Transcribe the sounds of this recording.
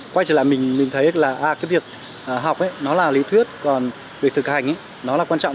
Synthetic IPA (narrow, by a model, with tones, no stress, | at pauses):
kwa˧jt͡ɕi˧˩la̰˧˨mï˨˩ŋ̟mï˨˩ŋt̪ʰə˨˦laː˨˩ʔaː˨˩kaː˨˦jvi˨˩ək̚ | ʔəː˨˩ɦa˨˩wk͡p̚ʔa˨˦jnɔ˨˦laː˨˩li˨˦t̪ʰwi˦˥ət̚kɔ˨˩n | vi˨˩ək̚t̪ʰɨ˨˩k̚ha˨˩jŋ̟ʔaː˨˦ | nɔ˨˦laː˨˩kwaː˧nt͡ɕɔ̰˧˨